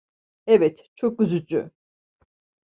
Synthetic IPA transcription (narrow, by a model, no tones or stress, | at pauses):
ɛvɛt̪t͡ʃʰok̚ɡyzyd͡ʒy̰